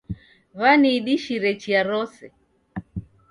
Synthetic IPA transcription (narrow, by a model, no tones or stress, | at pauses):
βaniːɗiʃiɾɛt͡ʃiaɾɔsɛ